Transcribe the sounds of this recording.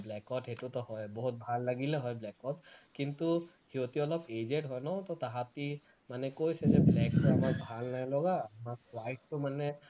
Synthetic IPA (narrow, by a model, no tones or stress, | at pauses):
blɛkɔʈeʈut̪ɔɦɔjbɔɦut̪̚bʱalːaɡilɛɦɔjblɛkɔtkint̪u | hiot̪iɔlɔped͡ʒeʈɦɔjnɔt̪ɔt̪aɦat̪i | manɛkojsɛzɛblɛkɔamaɹbʱalnajlɔɡamakwajʈʈːumanɛ